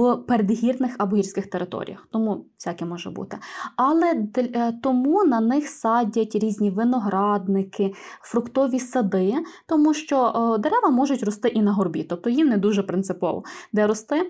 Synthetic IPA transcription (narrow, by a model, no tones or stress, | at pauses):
peɾed̪ɦʲirnɪxɐbɔɦirʲsʲkɪxt̪eɾɪt̪ɔ̰ɾʲḭjɐ̰xt̪ɔmusʲɑkʲɪmɔʒɛ̰bṵt̪ɪɐlˠɛd̪t̪ɔmunɐnɪxsɑdʲɐtʲɾʲizʲnʲiʋɪnɔɦɾɑd̪nɪkɪfɾʊkt̪ɔʋʲisɐd̪ɪt̪ɔmuʃt͡ʃɔd̪eɾɛʋɐmɔʒʊtʲrɔst̪ɪʔinɐɦɔrbʲit̪ɔp̚t̪ɔjimnɛd̪uʒɛpɾɪnt̪sɪpɔ̰ʋɔ̰d̪ɛɾɔst̪ɪ